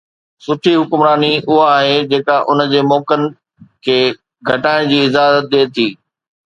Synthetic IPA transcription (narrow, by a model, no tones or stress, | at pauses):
sʊʈʰiɦʊkmɾaːniʔʊɦaːɦed͡ʑeːkaʔʊnəd͡ʑeːmɔːkənɪ̆ | kʰeː | ɡʱɐʈaːɪɽ̃d͡ʑiːɪzaːzət̪̚d̪eːt̪ʰiː